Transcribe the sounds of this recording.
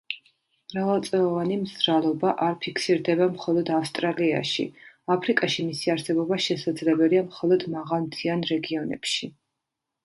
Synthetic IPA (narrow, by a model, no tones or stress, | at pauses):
m̥ɾavalˠt̪sʼɛlˠɔvanimzɾalˠɔbaʔaɾpʰikʰsiɾd̪ɛbamχɔlˠɔd̪afst̪ʼɾalia̰ʃḭ | apʰɾikʼaʃimisiaɾsɛbɔbaʃɛsad̪zlɛbɛliamχɔlˠɔd̪maʁalˠmt̪ʰianɾɛɡiɔnɛ̰pʃi